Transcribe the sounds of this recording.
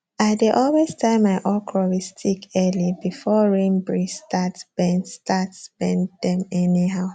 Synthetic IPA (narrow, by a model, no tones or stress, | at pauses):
adeʔɔlwestʰãɪmaɪʔɔkʰɹɔɹistʰikɛlibifɔɹẽmbɹistʰatsb̥ɛ̃nstʰatsb̥ɛ̃ndɛ̃mɛniɦaʊ